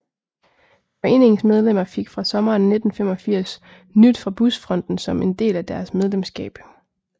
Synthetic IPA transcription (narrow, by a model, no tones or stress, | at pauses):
fɒ̽e̝̰ːne̝ŋsmeð̞ˠlem̰ɐfe̝ɡ̥fʁɑ̈sɒ̽mɐːnːe̝d̥n̩fem̰ɒ̽fiɐ̰s | nyd̥fʁɑ̈b̥usfʁɒ̽n̰d̥n̩sɒ̽me̝nd̥e̝̰ːlæd̥æɐsmeðˠlemsɡ̥ɛ̰ːb̥